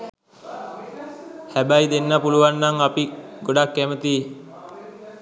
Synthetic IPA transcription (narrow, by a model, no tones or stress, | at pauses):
hæbæjd̪enːəpuluʋanːaŋapiɡoɖakːæmət̪i